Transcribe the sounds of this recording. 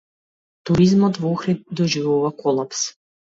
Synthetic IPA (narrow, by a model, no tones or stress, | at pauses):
t̪uɾizmɔt̪vɔxɾit̪̚d̪ɔʒivuvakʰɔlˠaps